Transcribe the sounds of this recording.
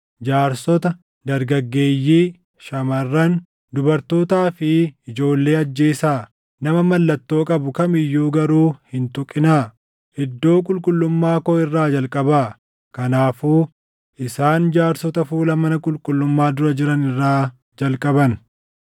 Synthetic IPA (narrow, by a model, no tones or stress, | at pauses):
d͡ʒaːɾsɔt̪ɐ | d̪ɐɾɡɐɡːeːjːiː | ʃɐmɐrːɐn | d̪ʊbɐɾt̪o̞ːt̪aːfɪɪd͡ʒo̞ːlːe̞ːɐd͡ʒːe̞ːsaː | nɐmɐmɐlːɐt̪ːo̞ːkʼɐbʊkɐmɪjːuːɡɐɾuːhɪnt̪ʊkʼːɪnaː | ɛd̪ːo̞ːkʼʊlkʼʊlːʊmːaːkɔːɪrːaːd͡ʒɐlkʼɐbaː | kɐnaːfuː | ʔɪsaːnd͡ʒaːɾsɔt̪ɐfuːlɐmɐnɐkʼʊlkʼʊlːʊmːaːd̪ʊɾɐd͡ʒɪɾɐnɪrːaː | d͡ʒɐlkʼɐbɐn